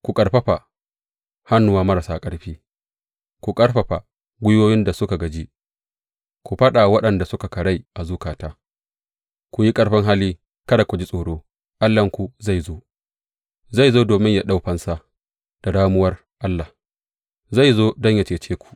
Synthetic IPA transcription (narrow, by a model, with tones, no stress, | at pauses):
kʷu˨kʼɐ˨ɽɸɐ˦ɸa˨ | ha˦nːʊ˨waː˦mɐ˦ɾa˨saː˦kʼɐ˦ɽɸiː˦ | kʷu˨kʼɐ˦ɽɸɐ˨ɸa˨ | ɡʷʊ˦joː˦jɪ˦nda˨sʊ˦ka˨ɡɐ˨d͡ʒi˦ | kʷu˨ɸɐ˦ɗa˨wɐ˦ɗɐ˨nda˨sʊ˦ka˨kɐ˨ɽa˦jʔa˨zuː˦kaː˨taː˦ | kʷu˨ji˦kʼɐ˦ɽɸɪ˦ŋɦaː˦liː˦ | kɐ˦da˨kʷu˨d͡ʒi˦sʼoː˨ɽoː˦ | ʔa˦lːɐ˨ŋkʷu˨za˦˨jzoː˦ | za˦˨jzoː˦doː˨mɪ˦ɲja˦ɗa˦wɸɐ˦nsa˦ | d̥a˨daː˦mʊ˦wɐ˦r | ʔa˦lːa˨ | za˦˨jzoː˦dɔ˦ɲja˨t͡ʃeː˨t͡ʃeː˦kʷu̥˨ʔ